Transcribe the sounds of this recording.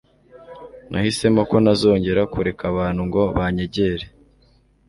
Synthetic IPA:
nʔa̰hise̞moko̞nazo̞ːɲɟe̞ɾakuɾe̞kʰaβaːnhuŋɡoβaɲe̞ɟe̞ɾe

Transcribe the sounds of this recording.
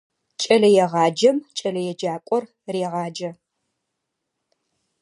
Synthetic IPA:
t͡ʃʼɐlɐjɛʁɑːd͡ʒɐmt͡ʃʼɐlɐjɛd͡ʒaːkʷʼɔr | reːʁɑːd͡ʒɐ

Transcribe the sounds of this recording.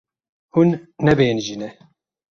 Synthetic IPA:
hunːɛbeːnʒinɛ

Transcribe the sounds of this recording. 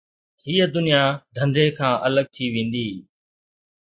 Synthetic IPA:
ɦiːəd̪ʊnijad̪ʱə̃nd̪ʱekʰãːʔələɡ̚t̪ʰiʋẽːnd̪iː

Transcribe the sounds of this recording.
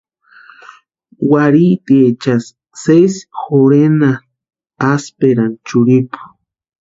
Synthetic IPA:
waɾit̪iet͡ʃas | sesxoɾena | aspeɾant͡ʃʊɾipu̥

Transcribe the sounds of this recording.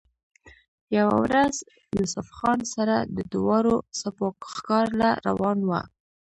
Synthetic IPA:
jawa̰wɾaz | jusʊfxɑnsaɾad̪əd̪ʊwɑɾosapokxkɑɾlaɾa̰wɑnwa̰

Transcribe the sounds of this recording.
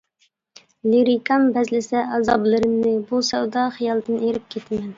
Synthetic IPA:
liɾikʰɑmbɛzlɪsɛɑzɑ̰blˠɨɾɪmnɪbusɛwd̪ɑχijɑlˠd̪ɨneɾɪp̚kʲʰet̪ʰɪmɛn

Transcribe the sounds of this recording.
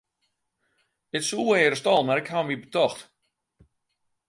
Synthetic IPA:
ətsuːəeːɾəstɔlˠmɛrkhamibətɔxt

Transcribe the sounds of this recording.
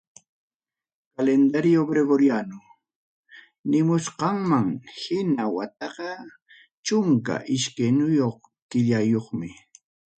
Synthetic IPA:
kalend̪aɾɪjobɾeɡoɾjanʊ | nɪmʊsqɑŋmaŋhɪnawat̪̚ɑqɑ | t͡ʃʊŋka̰ʔɪʃkenʊjoχ | t̪ɪʎajoχmɪ

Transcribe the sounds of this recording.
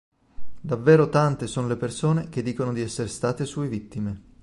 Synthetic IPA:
d̪avːeːɾot̪ant̪esoːnolepersoːnek̟ed̪ːiːkonod̪iɛsːeɾst̪aːt̪esuːevit̪ːime

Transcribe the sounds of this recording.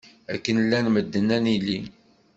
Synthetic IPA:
æ̰kːənlːænməd̪ːənːænili

